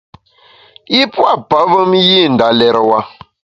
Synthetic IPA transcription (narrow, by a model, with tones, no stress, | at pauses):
i˦pwa˦˨pa˨˦və˦mji˦˨n̩˨da˨lɛ˨ɾwa˦